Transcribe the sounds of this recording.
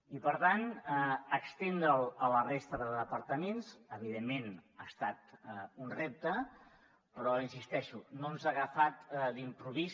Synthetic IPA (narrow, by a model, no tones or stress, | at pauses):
ipəɾt̪anəkst̪end̪ɾələlərest̪əðəðəpəɾt̪əmensəβiðemːenast̪at̪unrep̚t̪ə | pɾɔinsist̪ɛʃunomzaɣəfat̪limpɾuβiz